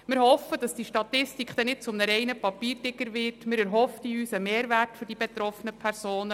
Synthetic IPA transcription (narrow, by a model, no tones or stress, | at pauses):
mɪɾhɔfəd̥ɑsd̥iʃtɑtɪstikχd̥ɛnɪt̚t͡sʊmnəɾɛɪnəpɑpiːrd̥ɪɡəɾʋɪrtmɪɾæɾɦɔftiyːsəmeːɾʋærtfɵɾdibet̪ɾɔfənəpʰæɾsoːnə